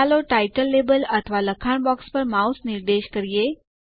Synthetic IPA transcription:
aloʈajʈəlːebələt̪ʰəʋaləkʰaɳbɔkspəɾmausniɾd̪eɕkəɾje

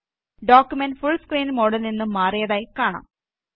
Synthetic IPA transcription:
ɖoːkʲːjumenɖfuɭskriːnmo̞ːɽɐlninːɨmaːrijɐðaːjikaːɳa̰ːm

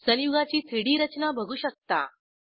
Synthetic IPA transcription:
sə̃njuɡat͡ɕiːt̪ʰiɽiːɾət͡ɕnabʱəɡʱuːɕək̚t̪a̰

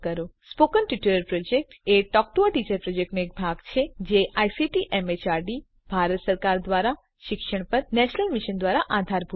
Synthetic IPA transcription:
kəɾospokənʈiʈuɾəɾpɾɔd͡ʒek̚ʈeʈɔk̚ʈoaʈit͡ʃəɾpɾɔd͡ʒek̚ʈnoek̚bʱaɡt͡ʃʰed͡ʒeʔajsiʈiʔɛmet͡ʃaɾɖi | bʱaɾət̪səɾkaɾd̪ʋaɾa | ʃɪkʃəɳpəɾnɛʃnəlmiʃənd̪ʋaɾaʔad̪ʱaɾbʱu

